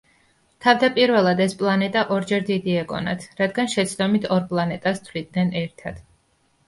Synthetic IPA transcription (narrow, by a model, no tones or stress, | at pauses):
t̪ʰavd̪apʼiɾvɛlˠad̪ɛspʼlˠanɛt̪ʼaʔɔɾd͡ʒɛɾd̪id̪iɛɡɔ̰na̰t̪ʰɾad̪ɡanʃɛt̪sʰd̪ɔmit̪ʰɔɾpʼlˠanɛt̪ʼast̪ʰvlid̪̚nɛnɛɾt̪ʰad̪̥